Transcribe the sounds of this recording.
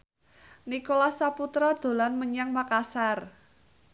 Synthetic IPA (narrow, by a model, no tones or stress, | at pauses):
nikolasaput̪ɾɔd̪̥o̤lanməɲaŋmakasar